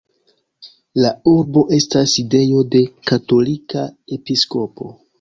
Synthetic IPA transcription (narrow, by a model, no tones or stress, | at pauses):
lauɾbo̞ʔe̞staside̞jo̞de̞kato̞likae̞pisko̞po̞̰